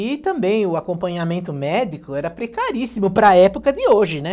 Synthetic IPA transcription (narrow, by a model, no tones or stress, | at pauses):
ɪt̪ɐ̃mbẽj̃ʊakõpɐ̃ɲamẽnt̪ʊmɛd̪ikʊɛɾɐpɾekaɾisimʊpɾɐɛpʊkɐd̪ɪoʒɪnɛ